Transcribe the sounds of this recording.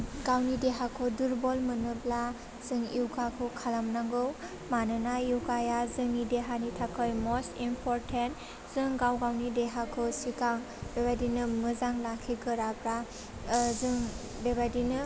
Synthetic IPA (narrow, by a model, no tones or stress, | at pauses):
ɡawnideɦakʰɔduɾbɔlmɯnɯbla | z̥ɯŋiwkakʰɯkʰalamnaŋɡɯw | manɯnaiwkajazɯŋideɦanitʰakʰɯjmɔstimpʰɔɾtʰent | z̥ɯŋɡawɡawnideɦakʰɔsikaŋ | bebadinɯmɯzaŋlakʰiɡɯɾabɾa | zɯŋ | bebajdinɯ